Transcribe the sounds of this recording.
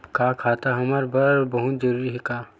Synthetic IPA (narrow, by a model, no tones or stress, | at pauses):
kaːkʰaːt̪aɦɐmaɾbɐɾbɐɦʊt̪d͡ʒəɾuːɾiɦɛkaː